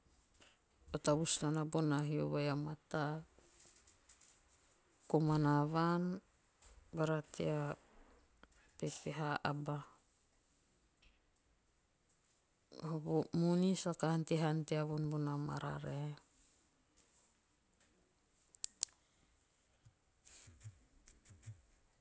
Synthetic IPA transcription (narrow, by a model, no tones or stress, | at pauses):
otaβusnanabonaɦio̰βajamata | komanaβan | baɾatḛa | pepeɦaʔaba | oβumunisakahantiɦantiaβunbunama̰ɾa̰ɾe